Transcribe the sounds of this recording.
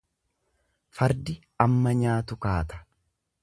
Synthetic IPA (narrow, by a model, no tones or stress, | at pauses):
fɐɾd̪ɪ | ɐmːɐɲaːt̪ʊkaːt̪ɐ̥